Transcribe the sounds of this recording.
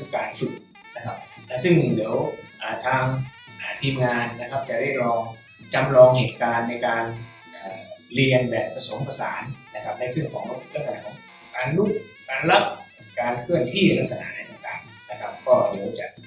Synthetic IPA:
kaː˨˩nsu˨˩t̪̚ | na˦˥kʰa˦˥p̚lɛ˦˥sɯ˥˩ŋdi˩˦əwʔaː˨˩t̪ʰaː˧ŋ | ʔaː˨˩t̪ʰiː˧mŋaː˧nːa˦˥kʰa˦˥p̚t͡ɕa˨˩da˥˩jlɔː˧ŋ | t͡ɕa˧mlɔː˧ŋheː˨˩t̪̚kaː˧nːa˧jkaː˧n | ʔaː˨˩li˧ənbɛː˨˩pːɾa˧so˩˦mpa˧sa̰ː˩˦nːna˦˥kʰa˦˥p̚na˧jsɯ˥˩˨ŋkʰɔː˨˩˦ŋba˧˩pu˧˩la˦˥k̚sa˧na̰˧˩kʰɔː˨˦ | kaː˧nlu˦˥˩k̚ | kaː˧nla˦˥p̚ | kaː˧nkʰɯ˥˩ənt̪ʰiː˥˩la˦˥k̚sa˧na̰˩˧˥na˧jt̪ɔː˧˩ŋka˨˩n | na˦˥kʰa˦˥p̚kɔː˥˩diː˩˦əwt͡ɕa̰˨˩ʔ

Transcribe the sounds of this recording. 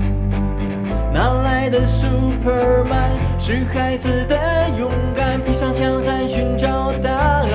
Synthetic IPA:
na˧˥˦la˧˥ɪd̪ə˨˧su˧pʰə˨ma˧nʂɻ̩˧˥xʰa˥ɪt͡sʰɹ̩˥˩d̪ə˨jʊ˧˥ŋka˥˧npʰi˧˥ʂɑ˥ŋɕʰjɑ˥ŋt̪a˥nɕy˧˥nʈ͡ʂɑ˥˧ʊt̪a˧˥˧

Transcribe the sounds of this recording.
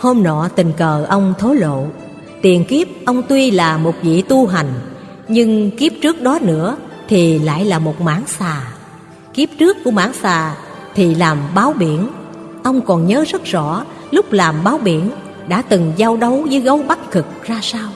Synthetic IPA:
ho˧mnɔ̰˧˩t̪ï˨˩ŋ̟kəː˨˩ʔə˧wŋ͡mt̪ʰo˨˦lo̰˧˨ | t̪i˨˩ənki˦˥əp̚ʔə˧wŋ͡mt̪wi˧laː˨˩mo˨˩t̚vḭ˧˨t̪u˧ɦa˨˩jŋ̟ | ɲɨ˧ŋki˦˥əp̚t͡ɕɨ˦˥ək̚ɗɔ˨˦nɨ̰˧˥ət̪ʰi˨˩la̰ː˧˨jlaː˨˩mo˨˩t̚ma̰ː˧˥nsaː˨˩ | ki˦˥əp̚t͡ɕɨ˦˥əkːu˧˩əma̰ː˧˥ŋsaː˨˩ | t̪ʰi˨˩laː˨˩mɓaː˨˦wɓi˧˩ən | ʔə˧wŋ͡mkɔ˨˩nɲəː˨˦zə˦˥t̚zɔ̰˧˥ | lʊ˦˥k͡p̚laː˨˩mɓaː˨˦wɓi˧˩ən | ɗa̰ː˧˥t̪ɨ˨˩ŋzaː˧wɗə˨˦wzəː˨˦jɣə˨˦wɓa˦˥t̚kɨ˨˩k̚zaː˧saː˧w

